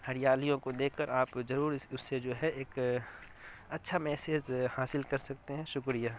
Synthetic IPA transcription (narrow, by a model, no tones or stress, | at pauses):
hɐɾijaːlijõkod̪eːkʰkəɾaːpzɐɾuːɾʊsːed͡ʒoːɦɛeːk | ɐtːʃʰamɛːseːd͡ʒhaːsɪlkɐɾsɐk̚t̪eɦɛ̃ʃʊkɾijaː